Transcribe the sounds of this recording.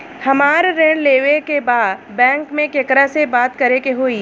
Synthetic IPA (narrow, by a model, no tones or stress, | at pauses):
hɐmaːɾɾẽɽ̃leːʋekebaːd̪bɛ̃ːŋkmẽkekɾasebaːt̪kɐɾekeɦoːiː